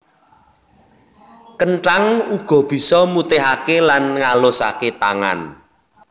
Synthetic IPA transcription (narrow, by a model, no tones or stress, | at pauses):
kənʈaŋuɡ̥ɔ̤b̥i̤sɔmut̪eɦakelanŋalosa̰ket̪a̰ŋa̰n